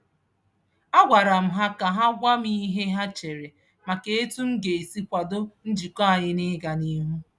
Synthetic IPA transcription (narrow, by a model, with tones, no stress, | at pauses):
a˦ɡʷa˨ɾa˨m̩˨ɦa˦ka˨ɦa˦ɡʷa˦mi˦ɦe˦ɦa˦t͡ʃe˨ɾe˨ | ma˨ke˨e˦tu˦m̩˦ɡe˨e˨si˦kʷa˨do˦n̩˦d͡ʒi˨ka˦a˨ɲɪ˦nɪ˦ɡa˨ni˦ɦu˦